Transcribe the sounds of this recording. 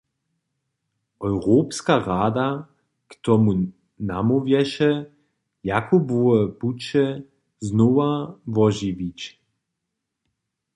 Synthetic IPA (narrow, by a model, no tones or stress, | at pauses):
ɔjʁoːpskaʁaːd̪a | kt̪ɔmu | namovjɛʃɛ | jakʰubuəput͡ʃɛ | znoʋavɔʒiʋit͡ɕ